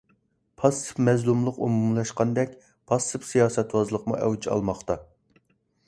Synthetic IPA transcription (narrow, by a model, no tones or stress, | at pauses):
pʰɑsɨ̥pmɛzlˠumlˠəqumumlˠɑʃqɑnd̪ɛkʲ | pʰɑsːɨpsijɑːsɛt̪wɑzlˠəqmṵʔɛ̰wt͡ʃʰɑ̰lˠmɑχt̪ɑ